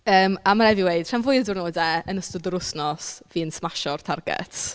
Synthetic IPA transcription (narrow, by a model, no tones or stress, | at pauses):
əːmamaɾɛviwejd̥r̥ɛnvʊɨdɪrnoːdɛənəstʊdəɾʊsnɔsviːnsmaʃɔrtʰarɡɛ̰t